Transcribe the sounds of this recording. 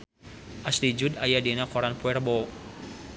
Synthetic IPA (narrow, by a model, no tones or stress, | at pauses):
ʔaslid͡ʒudajadenakɔɾanpuɛrbo